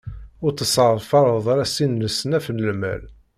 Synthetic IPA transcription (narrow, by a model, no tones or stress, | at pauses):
ʊɾt͡sːəsˤɑʁɾfɑɾˤəðˤɑɾæsinːəsənæfənəlmæ̰l